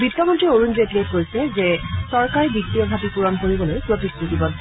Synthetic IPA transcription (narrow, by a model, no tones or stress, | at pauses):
bitːɔmɔntɹioɹunzetletkojsɛzɛsɔɹkaɹibiktiɔbʱatipuɹɔnkoɹibɔlojpɹotik̚puɡibɔn